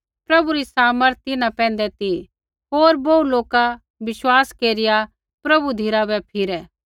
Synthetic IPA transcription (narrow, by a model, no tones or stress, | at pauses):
pɾɐbuɾisaːməɾt̪ɪnãpɛ̃ːn̆d̪ɛt̪i | ɦoːɾbɐuloːka | ʋɪʃwaːskeːɾɪja | pɾɐbud̪ʱiɾabɛpʰɪɾɛː